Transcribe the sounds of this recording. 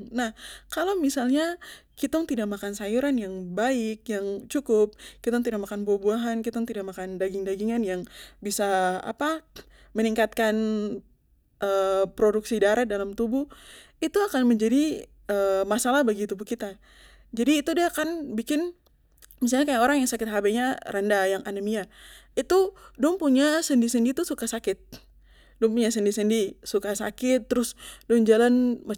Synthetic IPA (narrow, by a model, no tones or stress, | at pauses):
nahkalawmisalɲakit̪ʊŋt̪idaʔ̚makansajuɾanjaŋbaɪkjaŋt͡ʃukʊp̚kit̪ʊŋt̪idaʔk̚makanbuahbuaɦankit̪ʊŋt̪idak̚makandaɡɪŋdaɡiŋanjaŋbisaa̰pa | məniŋkat̪̚kan | ʔəpɾoduksidaɾadalamt̪ubu | it̪uakanməɲd͡ʒadi | əmasalahbaɡit̪ubuhkit̪a | d͡ʒadiːt̪udiakanbikɪn | mis̬alɲakajakoɾaŋjaŋsakɪt̪̚ɦabaɲaɾandajaŋanəmiait̪udɔŋpuɲasəndisəndit̪usukasakɪt̪̚ | dɔŋpuɲasəndisəndisukasa̰kɪt̪ːəɾʊsdɔŋd͡ʒalanmə